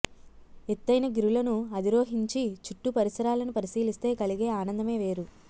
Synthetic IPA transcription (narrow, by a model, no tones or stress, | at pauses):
et̪ːɐjnɐɡiɾulɐnuɐd̪iɾoːɦiɲt͡ʃit͡ʃuʈːupɐɾisɐɾaːlɐnupɐɾisiːlist̪e̞ːkɐliɡe̞ːaːnɐnd̪ɐme̞ːʋe̞ːɾu